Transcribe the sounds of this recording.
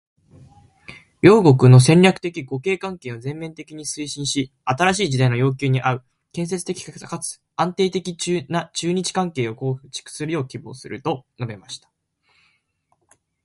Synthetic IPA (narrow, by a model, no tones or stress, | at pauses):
jo̞ːɡo̞kɯ̟no̞s̬ẽ̞ɲʲɾʲakɯ̟̥t̪e̞kʲiɡo̞ke̞ːkãŋke̞ːozẽ̞mːẽ̞nt̪e̞kʲiɲ̟isɨiɕĩɰ̃ɕi | at̪aɾaɕiːd͡ʑid̪aino̞jo̞ːk̬ʲɨːɲ̟iʔaɯ̟ | kẽ̞ɰ̃s̬e̞t͡sɨ̥t̪e̞kʲi̥kakt̪akat͡sɨ̥ | ãnt̪e̞ːt̪e̞kʲit͡ɕːnat͡ɕɨːɲ̟it͡ɕi̥kãŋke̞ːo̞ko̞ːɸɯ̟̥t͡ɕi̥kɯ̟̥sɨɾɯ̟jo̞ːkʲibo̞̰ːsɨɾɯ̟t̪o̞no̞be̞maɕi̥t̪ḁ